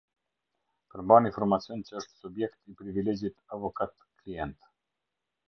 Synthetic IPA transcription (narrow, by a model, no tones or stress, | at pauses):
pəɾmbaninfɔɾmat͡sjɔncəəʃt̪subjɛkt̪ipɾivilɛd͡ʑit̪avɔkat̪kliɛnt̪